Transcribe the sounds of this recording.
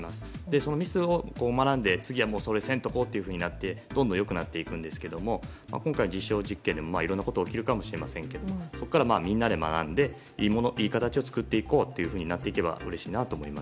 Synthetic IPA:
masɨ̥d̪e̞so̞no̞mʲisɨo̞ko̞ːmanãnd̪e̞t͡sɨɡʲiβamoːsoɾeesẽ̞nt̪o̞ko̞ːt̪ːe̞iɯ̟ɸɯ̟ːɲ̟inat̪ːe̞d̪̥ond̪õjo̞kɯ̟nat̪ːe̞ikɯ̟̃nd̪e̞sɨ̥ke̞d̪o̞mo̞ | ma̰kõŋkaind͡ʑiɕːo̞ːʑikːẽ̞nd̪e̞mo̞maiɾonːako̞t̪oːkʲiɾɯ̟kamo̞ɕiɾe̞masẽ̞ŋke̞d̪o̞moso̞kːaɾamaːmʲĩnːad̪e̞ma̰nã̰nd̪e̞ | iːmonoʔiːkat̪at͡ɕio̞t͡sɨ̥kɯ̟t̪ːe̞iko̞ːt̪ːe̞jɯ̟ɸɯ̟ːɲ̟inat̪ːe̞ike̞ba̰ɯ̟ɾe̞ɕiːnat̪o̞ːmo̞imas

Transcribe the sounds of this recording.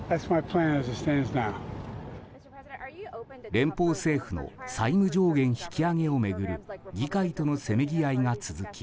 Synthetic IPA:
ðætsmaɪpʰl̥æ̃nɨzɨtstæ̃nznaʊ | ɾẽ̞mpo̞ːse̞ːɸɯ̟no̞̰saimɯ̟d͡ʑo̞ːɡẽ̞ɰ̃çi̥kʲiaŋe̞o̞me̞ɡɯ̟ɾɯ̟ɡʲikait̪o̞no̞se̞me̞ɡʲiaiŋat͡sɨzɨkʲi̥

